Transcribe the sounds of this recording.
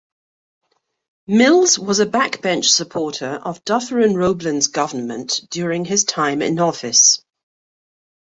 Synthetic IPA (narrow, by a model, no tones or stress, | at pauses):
mɪlˠzwɒzəbakb̥ɛ̃nt͡ʃsəpʰɔˑtʰəɹʔəvdʌθɹə̃nɹəʊblə̃nzɡʌvənmə̰̃nd̥jɔːɹɪ̃ŋɪz̥tʰãɪ̃mɪ̰̃nɒfɪs